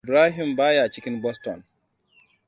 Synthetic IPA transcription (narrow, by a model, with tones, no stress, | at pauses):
bɾaː˦ɦi˨mbaː˦ja˨t͡ʃi˦kʲi˦nbɔ˦stɔ˨n